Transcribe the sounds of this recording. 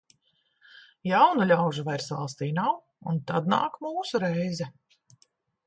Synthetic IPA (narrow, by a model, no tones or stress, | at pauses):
jawnulʲawʒuvɛɾsva̰lˠst̪iːnaw | unt̪ad̪na̰ːkmuːsuɾɛjzɛ